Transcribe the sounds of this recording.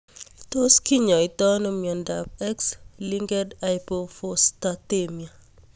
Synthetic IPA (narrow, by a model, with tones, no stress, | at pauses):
to˦ski˦ɲɔ˨i˨tɔ˦no˦mjɔ˨nda˨p̚ɛ˦ksli˦ŋɡɛ˦dajpofostatemia˨